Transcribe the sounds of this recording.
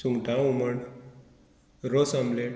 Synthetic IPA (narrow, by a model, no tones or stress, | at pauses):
suŋɡʈãuməɳ | ɾosamble